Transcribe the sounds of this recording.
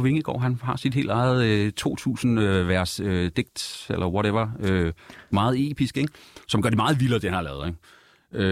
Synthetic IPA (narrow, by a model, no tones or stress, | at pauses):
ʋe̝ŋəɡ̥ɒ̰ːɦænɦɑ̈sid̥ɦe̝̰ld̥ɑ̈ɪð̞̩ˠt͡sʰo̝̰ːt͡sʰṵːsn̩øʋæɐsød̥eɡ̥̚d̥elʔɐwɒɾeʋɐømɑ̈ːð̞̩ˠe̝̰ːb̥isɡ̥eɡ̥sɒ̽mɡɶɐd̥emɑ̈ːð̞̩ˠʋiləɐd̥e̝ænɑ̈lɛːeŋ | ø